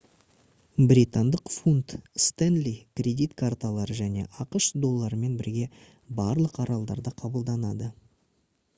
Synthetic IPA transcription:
bɾʲit̪and̪əqfunt̪st̪enlʲikrʲe̞d̪ijt̪kʰart̪alˠɑɾəʒæne̞̰ʔɑqəʃd̪o̞lˠːɑɾəme̞nbɪɾɡʲe̞ | bɑɾlˠəqɑɾɑlˠd̪ɑ̰ɾd̪əqʰɑbəlˠd̪ɑnɑd̪ə

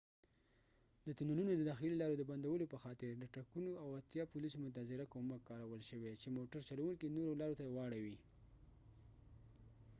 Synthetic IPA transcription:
d̪ət̪unununod̪əd̪ɑxililɑɾod̪əband̪awəlopəxɑt̪ɪɾd̪əʈakunoawat̪jɑpulisomʊt̪̬azɪɾakomakːɑɾawəlʃəwet͡ʃemoʈaɾt͡ʃalawuŋkinoɾolɑɾot̪awɑɽawi

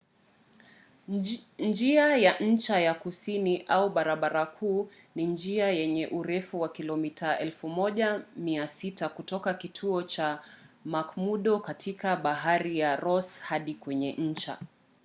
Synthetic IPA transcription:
d͡ʒiajaʔɲ̩t͡ʃajakusiniʔauɓaɾaɓaɾakʰuː | niɲd͡ʒiajɛɲɛʔuɾɛfuwakilɔmitaɛlfumɔʄamiasitakutɔkakitʰuɔt͡ʃamakmuɗɔkatʰikaɓaɦaɾijaɾɔshaɗikwɛɲɛʔɲ̩t͡ʃa̰

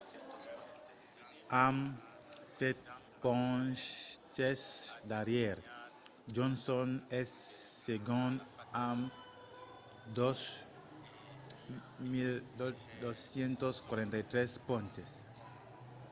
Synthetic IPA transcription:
ãm | set̪ | põ | t͡ʃesd̪aɾjeɾ | d͡ʒõnsõnesːeɡõnãm | d̪os | mild | d̪osjẽnt̪oskwaɾẽnt̪ajt̪ɾespõnt͡ʃes

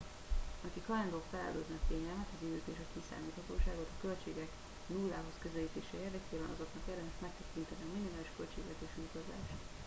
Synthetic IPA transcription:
ɒkikhɒjɛnd̪okfɛlɛ̰løːd̪nɛt̪eːɲɛlmɛt̪ɒzid̪øːkeːʃɒkisa̰ːmiːt̪hɒt̪oːʃaːɡo̞t̪ɒkø̞lt͡ʃeːɡɛk | nulːaːɦo̞skø̞zɛliːt̪eːʃɛeːrd̪ɛkeːbɛnɒzo̞knɒkerd̪ɛmɛʃmɛk̚t̪ɛkint̪ɛniɒminimaːliʃkø̞lt͡ʃeːɡlɛt̪eːʃut̪ɒza̰ːʃt̪

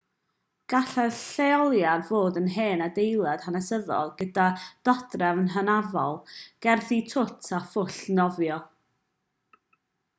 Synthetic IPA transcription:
ɡ̥aɬɛrɬeɔlˠjarvoːdənɦeːnadejlˠad̥hanɛsəðɔ̰lˠɡədad̥ɔdrɛvnɦənavɔlˠɡ̥ɛrθitʰʊtʰafʊɬnɔvjɔ

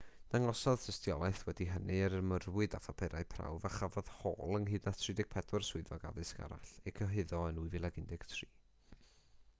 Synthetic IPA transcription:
n̥aŋɔsɔð̥tʰəstjɔlˠajθwɛdiɦənʔɨəɾəmərwɨdafapʰɛɾajpʰra̰wvaχavɔð̥ho̰ːlˠənhɨːdnatʰrɪdɪɡ̥̚pʰɛdɔrswʊɨðɔɡa̰ðɨska̰ɾa̰ɬɛkʰəɦɪðɔənuɨvilˠaɡɪndɪɡ̥tʰriː

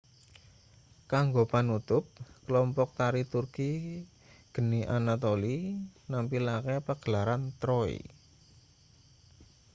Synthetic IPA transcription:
kaŋɡopanut̪ʊp̚kəlɔmpɔk̚t̪aɾit̪urki | ɡ̥əniʔanat̪olinampilakɛpəɡ̥əlaɾant̪ɾɔḭ

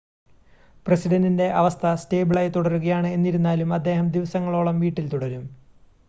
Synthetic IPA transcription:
prɐsiɖɐndinde̞ʔɐʋɐst̪ʰɐsteːbɨɭɐjt̪uɽɐɾuɣɐjaːɳɨe̞nːiɾunːaːlumɐd̪ːe̞ːɦɐmd̪iʋɐsɐŋːɐɭo̞ːɭɐmʋiːʈːilt̪uɽɐɾum

